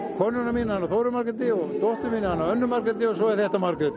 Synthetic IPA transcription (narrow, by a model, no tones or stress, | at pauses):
kʰɔnːʏnamiːnahanaθowɾʏmaɾkɪt̪ɪɔt̪oht̪ʏmiːnahanːawœnːʏmaɾkɪt̪ɪɔs̬ɔɛɾθɛht̪amaɾkɾɪt̪